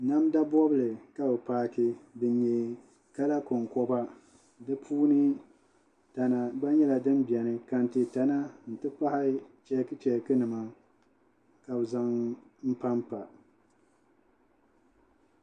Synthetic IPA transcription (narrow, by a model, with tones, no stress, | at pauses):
na˦mda˦bɔ˦bɨ˦˨lɨ˨ka˦bɨ˨paː˦kɪ˦bɨ˨ɲɛ˨ | ka˦la˦kʊ˨ŋkɔ˦ba˦ | dɨ˦pʰuː˦nɨ˦ | ta˨na˨ɡ͡ba˦ɲɛ˦la˨dɨ˦nbɛ˨nɨ˦ka˨n̩˨tɨ˨ta˨na˦n̩˨tɨ˦pa˦ha˦t͡ʃɛ˦kɨ˦t͡ʃɛ˨kɨ˦nɨ˨ma˦ | ka˨bza˦ŋ | m̩˦pa˦mpa˨